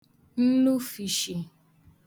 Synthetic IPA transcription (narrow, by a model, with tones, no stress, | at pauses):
n̩˦lu˦fi˨ʃi˨